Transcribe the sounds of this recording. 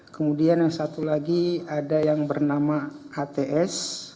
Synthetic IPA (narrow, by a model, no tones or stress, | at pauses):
kəmudianjaŋsat̪ulaɡiadajaŋbərnamaat̪eʔɛs